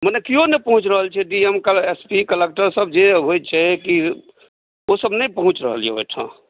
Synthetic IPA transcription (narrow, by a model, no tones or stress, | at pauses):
mənekionepəɦũt͡ʃɾəɦəlt͡ʃʰɛɖiemkespikəlek̚ʈəɾsəbd͡ʒeɦojt͡ʃʰɛki | osəbnəpəɦũt͡ʃɾəɦəljḛɦo̰jʈʰã̰